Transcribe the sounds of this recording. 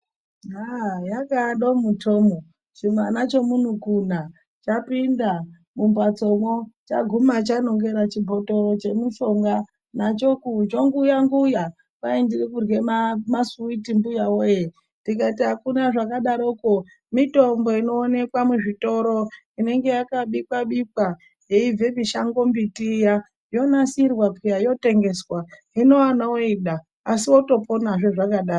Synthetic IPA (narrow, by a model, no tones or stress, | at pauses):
ajakaɗo̞mutʰoːmo | ʐimanat͡ʃo̞mun̤ukun̤a | t͡ʃapinda | mumbat͡so̞mwot͡ʃaɡʱumat͡ʃano̞ŋɡe̞ɾat͡ʃibʱo̞to̞t͡ʃe̞muʃo̞ŋɡa | nat͡ʃo̞kud͡ʒoŋɡujaŋɡuja | paindirikurɡe̞mamasuitimbujawoje | ndik̬aitiɦakunaʐakaɗaɾoko | mito̞mbo̞ino̞ːne̞kwamuʐito̞ɾo̞ | ine̞ŋɡe̞jakaɓikwaɓikwa | jeib͡ve̞miʃaŋɡo̞mbitija | jo̞nasirwapujajo̞te̞ŋɡe̞swa | ino̞wanawoiɗaː | siwo̞to̞ponaʐoʐakaɗaːo